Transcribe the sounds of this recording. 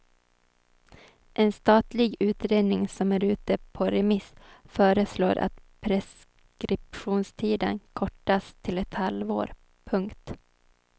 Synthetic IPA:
ʔɛnst̪ɑːt̪lɪɡʉ̟ːt̪ɾeːd̪nɪŋsɔmæːɾʉ̟ːt̪əpʰɔɾɛmɪsfœːɾəsloːɾʔa̰t̪pʰɾɛs | kɾɪpɧuːnst̪ʰiːd̪ə̰nkʰɔʈːast̪ʰɪlɛt̪halvo̰ːɾ | pʰɵŋkt̪

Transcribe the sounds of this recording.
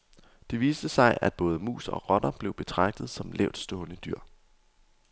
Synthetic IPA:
d̥e̝ʋiːsd̥əsɑ̈ɪʔæd̥̚b̥ɔ̽ːð̞ˠəmṵːsɒ̽ʁɒ̽ɾɐb̥le̝ʊb̥e̝t͡sʰʁɑ̈ɡ̥̚d̥ð̞̩ˠsɒ̽mlɛʊd̥sd̥ɔ̽ːnəd̥yɐ̰

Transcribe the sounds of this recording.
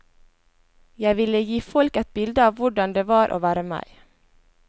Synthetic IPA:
jæɪʋɪləjiːfɔlkɛt̪̚bɪld̪əɑːʋʋʊɖɑnd̪eːʋɑːɾʔo̰ːʋæːɾəmæ̰ɪ

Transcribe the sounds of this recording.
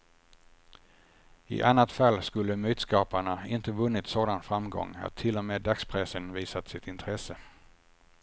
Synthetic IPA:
ɪ̰ʔanːat̪falːskɵlːəmyːt̪skɑːpaɳaɪnt̪əvɵnːɪt̪soːd̪anfɾamɡɔ̰ŋːa̰t̪ʰːɪlːɔmeːd̪akspʰɾɛsənviːsat̪sɪt̪ɪnt̪ʰɾɛsə

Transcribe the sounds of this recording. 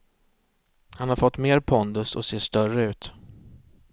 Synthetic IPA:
hanhaɾfɔt̪ːmeːɾpʰɔnd̪ɵsɔ̰seːʂt̪œrəʉ̟ːt̪

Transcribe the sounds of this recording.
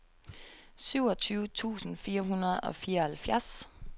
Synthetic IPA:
syʊɒt͡sʰyːʊt͡sʰṵːsn̩fiːɐɦunɐð̩ˠɒ̽fiːɐhælfjæɐs

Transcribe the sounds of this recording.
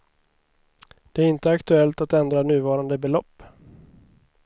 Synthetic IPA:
d̪̥ɛæɾɪnt̪əakt̪ɵɛlt̪at̪ɛnd̪ɾanʉ̟ːvɑːɾand̪əbɛlɔpː

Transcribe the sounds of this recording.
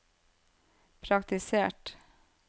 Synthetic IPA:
pʰɾɑkt̪ɪseːʈ

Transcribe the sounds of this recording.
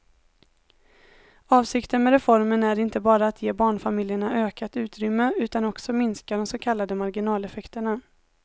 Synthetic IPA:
ɑːvsɪkt̪ənmɛɾɛfɔɾmənæɾɪnt̪əbɑːɾaːt̪ʰjeːbɑːɳfamɪljəɳaʔøːkat̪ʉ̟ːt̪ɾʏmːəʉ̟ːt̪anɔksɔmɪnskad̪ɔmsokʰalːad̪əmaɾɡɪnɑːlɛfɛkt̪əɳa

